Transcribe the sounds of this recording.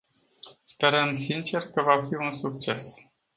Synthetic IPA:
spe̞ɾəmsint͡ʃe̞rkəvafiunsuk̚t͡ʃe̞s

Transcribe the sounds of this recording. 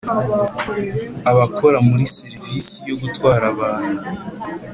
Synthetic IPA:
aβakʰo̞ɾamuɾiseɾivisijo̞ɡutwaːɾaβaːn̥hu

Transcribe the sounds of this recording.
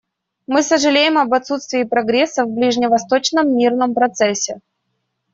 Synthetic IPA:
mɨsəʐɨlʲejɪmɐbɐt̪sut̪st̪vʲɪːpɾɐɡɾʲesːəvblʲiʐnʲɪvɐst̪o̞t͡ɕnəmːʲirnəmpɾɐt̪sɛsʲːɪ

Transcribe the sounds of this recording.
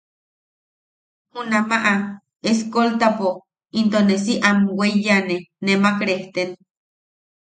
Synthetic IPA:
hunamaʔa | eskolt̪apo | int̪ones̬iʔamwejanenemakɾeht̪en

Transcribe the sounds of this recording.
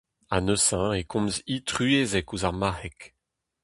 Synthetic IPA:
a̰nøsãekʰɔ̃mzit̪ʁyeːzɛkuzaʁmahɛk

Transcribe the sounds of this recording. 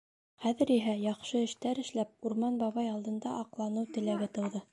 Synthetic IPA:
χæðɘ̆ɾiɦæjɑχʃɤɘ̆ʃt̪æɾɘ̆ʃlæp̚uɾmɑnbɑβɑjɑlˠd̪ɤ̆nd̪ɑʔɑqlˠɑnɤwt̪ɘ̆læɡɘt̪ɤ̆wðɤ

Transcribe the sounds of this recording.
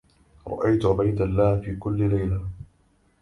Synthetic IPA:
ɾˤɑ̰ʔajt̪ʕʊbajd̪alːaːhfiːkʊlːɪlajla

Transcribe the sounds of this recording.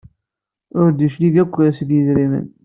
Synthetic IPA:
ʊɾd̪iʃliɡækʷːsəɡjəzɾimə̰n

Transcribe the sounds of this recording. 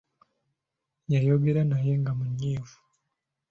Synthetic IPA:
jajoɡiɾenajeŋɡamuɲɲiːvu̥

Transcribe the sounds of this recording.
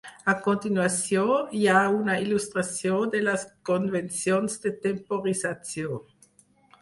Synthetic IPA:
akõnt̪inwasjojaunailust̪ʁasjõd̪elaskonvensjonsd̪et̪empoʁizat͡sjo

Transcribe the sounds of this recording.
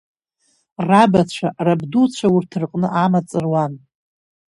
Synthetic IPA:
rabat͡ɕʷʰarabdut͡ɕʷʰaurtʰɨrqʼnɨʔamat͡sʼɨrwan

